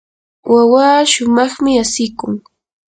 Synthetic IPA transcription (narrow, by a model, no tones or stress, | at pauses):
wawaːʃʊmɑχmɪasɪkʊŋ